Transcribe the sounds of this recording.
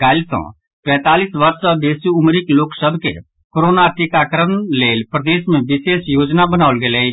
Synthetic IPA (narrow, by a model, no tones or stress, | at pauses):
ɡaːlsɔ̰̃ | pɛ̃ːt̪aːliːsʋɐɾsəd̪eːsuʊmɾɪkloːksəbkḛ | koɾoːnaʈɪkaːkəɾənleːlpɾɐd̪eːsmɛ̃ʋɪseːsjoːd͡ʒnabɐnaːʋəlɡeːle